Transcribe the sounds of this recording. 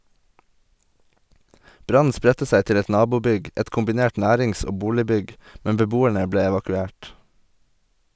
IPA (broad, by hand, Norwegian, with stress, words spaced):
ˈbɾɑn̩ ˈspɾɛtə ˈsæɪ ˈtɪl ˈɛt ˈnɑːbuːˌbʏɡ ˈɛt kʊmbɪˈneːʈ ˈnæːɾɪŋs ˈoː ˈbuːlɪˌbʏɡ ˈmɛm bəˈbuːæɳə ˈbleː ɛʋɑkʉˈeːʈ